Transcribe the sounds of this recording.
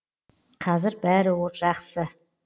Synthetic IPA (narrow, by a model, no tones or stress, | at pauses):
qʰɑzɪɾbæɾɪwoʒ̥ɑχsə